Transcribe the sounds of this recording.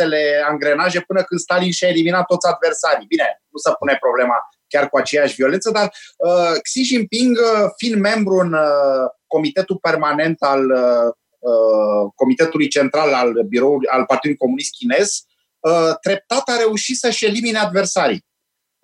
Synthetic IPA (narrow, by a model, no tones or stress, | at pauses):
ele̞aŋɡɾe̞naʒe̞pɨnəkɨnd̪st̪alinʃae̞liminat̪ːot̪sʲad̪ve̞rsaɾijbine̞nusəpune̞pɾo̞ble̞ma | kʲarkuat͡ʃe̞jaʃʲvio̞le̞nsəd̪arəksiʒinpiŋɡəfinme̞mbɾuɨnəko̞mit̪e̞t̪upe̞rmane̞nt̪al | əko̞mit̪et̪ulujt͡ʃe̞nt̪ɾalalbiɾo̞ulujalpart̪id̪luljko̞munist̪̚kʲine̞z | ət̪ɾe̞p̚t̪at̪aɾe̞uʃisəʃe̞limine̞ad̪versaɾḭ